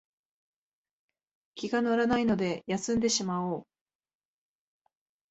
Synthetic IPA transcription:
kʲiɡanoɾanaino̞d̪e̞jasɨ̃nd̪e̞ɕimaoː

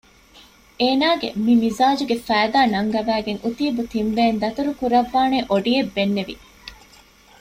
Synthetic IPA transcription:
ʔeːnaːɡḛmimizaːd͡ʒuɡefæːd̪aːnɐŋɡɐbæːɡeŋʔut̪iːbut̪imbeːnd̪ɐt̪uɾukuɾɐʋːaːneʔoɖiebːenːeʋḭ

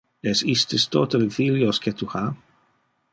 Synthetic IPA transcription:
ɛsist̪ɪst̪ot̪elfiljosket̪uha

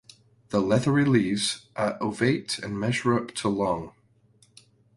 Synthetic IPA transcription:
ðəlˠɛðəɹilˠiːvz̥ʔəʔoveɪʔə̰̃nmɛʒəɹʌp̚tʰəlˠɔ̃ŋ

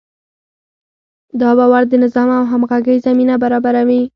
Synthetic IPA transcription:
d̪ɑbawaɾd̪ənɪzɑmawɦamɣaɡəjzaminabaɾɑbaɾawi

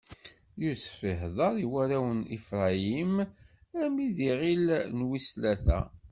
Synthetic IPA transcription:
juɾsfiɦðˤɑɾˤiwæɾæwənifɾˤɑimæmiðiʁilnwislæθæ̰

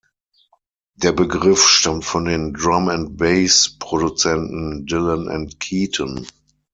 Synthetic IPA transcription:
d̥eːɐbəɡʁɪfʃtamtfɔndeːndʁamɛ̃nt̚b̥eɪspʁ̥odut͡sɛntn̩dɪlə̃nʔɛ̰̃ntkʰiːtʰən

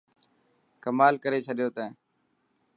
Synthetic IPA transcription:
kəmaːlkəɾeːt͡ʃʰəɗjoːt̪ɛ̃ː

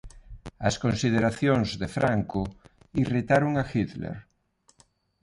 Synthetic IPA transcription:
ɐskonsið̞eɾaθjoŋzðefɾaŋko | irit̪aɾoŋaxiðlḛɾ

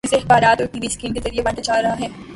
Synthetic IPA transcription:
seɪxbaːɾaːt̪ot̪ibɪskiːnkezɐɾiebɐʈad͡ʒaːɾɐɦaɦɛː

